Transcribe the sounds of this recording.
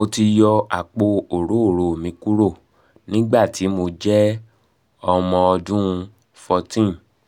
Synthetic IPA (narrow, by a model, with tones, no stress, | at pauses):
o˧ti˧jɔ˧a˨k͡po˧o˨ɾo˨˦o˦˨ɾo˨o˨mĩ˨˦ku˦ɾo˦˨ | nĩ˦ɡ͡ba˦˨ti˨˦mo˧d͡ʒɛ˦ | ɔ˧mɔ̃˧ɔ˧dũ˦ũ˧ | fɔ˧tĩ˦˨